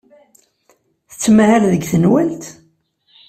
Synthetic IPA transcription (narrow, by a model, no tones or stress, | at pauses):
θə̥t͡sːmhæɾðəɡθənwælt̪